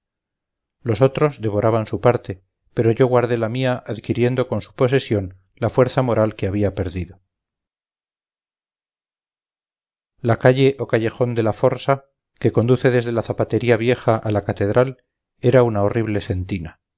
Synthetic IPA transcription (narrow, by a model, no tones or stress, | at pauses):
lo̞so̞t̪ɾo̞zðe̞β̞o̞ɾaβansupaɾt̪e̞ | pe̞ɾo̞ʝo̞ɣwaɾðe̞lamiaʔaðkiɾje̞nd̪o̞ko̞nsu̥po̞s̬e̞sjo̞n | lafwe̞ɾθamo̞ɾalkeaβiape̞ɾðiðo̞ | lakaʎe̞ʔokaʝe̞xo̞nd̪e̞lafo̞ɾsa | ke̞ko̞nd̪uθe̞ðe̞zð̞e̞laθapat̪e̞ɾiaβje̞χaʔalakat̪e̞ðɾal | e̞ɾaunao̞riβ̞le̞se̞nt̪ina